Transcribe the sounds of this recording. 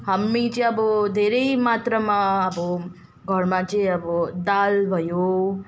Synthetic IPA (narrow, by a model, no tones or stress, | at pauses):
ɦəmːĩt͡ʃeabod̪ʱeɾeimat̪ɾəmãabo | ɡʱəɽmãt͡ʃeabod̪albʱəjo